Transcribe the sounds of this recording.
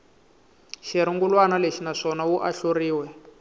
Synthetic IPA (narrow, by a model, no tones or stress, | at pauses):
ʃiɾiŋɡulwanaleʃinaʂɔnawuʔaɬoriːwɛ